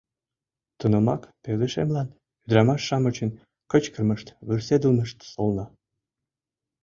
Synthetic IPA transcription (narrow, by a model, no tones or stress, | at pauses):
t̪unomɑ̰kpewd̪əʃḛmlɑn | yd̪ɾɑmɑʃːɑmət͡ɕən | kət͡ɕkərməʃt̪βyrsed̪əlməʃt̪solnɑ